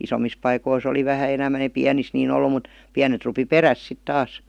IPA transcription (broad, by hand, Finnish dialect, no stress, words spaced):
isomis pɑikois oli ʋæhæ enæmæn eĭ piænis niːn olːu mut piænet rupi peræs sit tɑːs